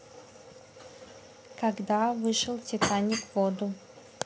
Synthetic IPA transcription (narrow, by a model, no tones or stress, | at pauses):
kaɡd̪avɨʂɨlˠtʲɪt̪anʲɪkvod̪ʊ